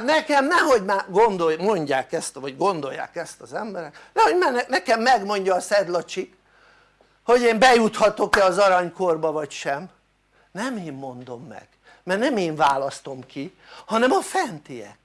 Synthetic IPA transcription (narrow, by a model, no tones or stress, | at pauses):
nɛkɛmnɛɦo̞ɟmaːɡond̪ojmo̞ɲɟaːkɛst̪vɒɟɡo̞nd̪o̞jːa̰ːkɛst̪ɒzɛmbɛɾɛknɛho̞ɟmɛnɛnɛkɛmːɛɡmo̞ɲɟɒːsɛd̪lɒt͡ʃik | ho̞ɟeːmbɛjut̪hɒt̪o̞kɛɒzɒɾɒɲko̞rbɒvɒcʃɛm | nɛmeːmːo̞nd̪o̞mːɛ̰ɡ̥ | mɛrnɛmeːɱvaːlɒst̪o̞mkihɒnɛmɒfɛnt̪ijɛ̰k̚